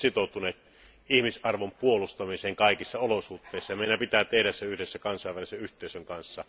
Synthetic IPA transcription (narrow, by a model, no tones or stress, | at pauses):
sit̪oˑut̪uneːt̪ | ihmisʔɑrʋompuolust̪ɑmiseːŋkɑˑikisːɑolosut̪ːeˑisːɑjɑmeˑinæpit̪æˑt̪ehdæssæyhdesːækɑnsˑɑˑeʋæliseyht̪ˑeˑisøŋkɑnsːɑ